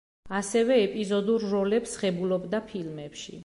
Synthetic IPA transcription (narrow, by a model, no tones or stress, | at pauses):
asɛvɛːpʼizɔd̪uɾːɔlɛpsʁɛbulɔbd̪apʰilmɛpʃḭ